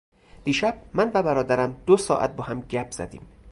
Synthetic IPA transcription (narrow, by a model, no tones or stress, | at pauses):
d̪̥iːʃæb̥̚mænvæbæɾɒːd̪æɾæmd̪̥osɒ̰ːʔæ̰t̪̚bɒːɦæmɟæpʰz̥æ̰d̪ḭːm